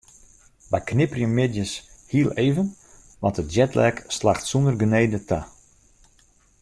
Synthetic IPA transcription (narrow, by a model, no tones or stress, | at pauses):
bajknɪpərjəmːɪdjəshiəlˠeːvən | ʋɑntət̚d͡ʒɛtlɛkslaxtsundərɡəneːdətʰa